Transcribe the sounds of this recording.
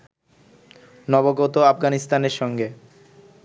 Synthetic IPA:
nɔboɡot̪oafɡanist̪aneɾʃɔŋɡe

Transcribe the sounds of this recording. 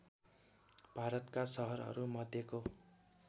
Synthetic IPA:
b̥ʱaɾʌt̪kasʌɦʌɾɦʌ̰ɾumʌd̪ʱjeko

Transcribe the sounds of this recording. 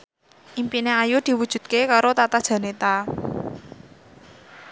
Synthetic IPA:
ʔimpineajud̪̥i̤wud̥ʒ̥ṳd̪̥̚kekaɾot̪at̪ad̥ʒ̥a̤net̪a

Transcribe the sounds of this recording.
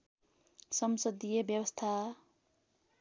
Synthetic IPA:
sʌmsʌd̪ijebjʌbʌst̪ʰa

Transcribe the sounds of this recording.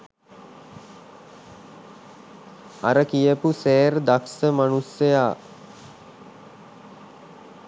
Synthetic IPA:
a̰ɾəkijəpuseːɾd̪aksəmanusjəjaː

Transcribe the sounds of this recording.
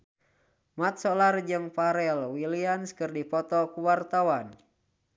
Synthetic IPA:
mat̪̚sɔlard͡ʒɨŋpaɾɛlwilianskɨrdipɔt̪ɔkuwart̪awan

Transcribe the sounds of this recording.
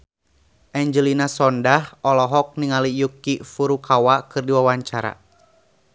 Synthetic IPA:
ʔɛɲd͡ʒəlinasɔndahɔlɔɦɔk̚niŋalijukifuɾukʰawakɨrdiwawaɲt͡ʃaɾa̰

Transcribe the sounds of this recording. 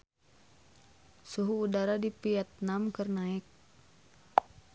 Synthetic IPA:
suɦuːdaɾadipiat̪̚namkərnaɪk̚

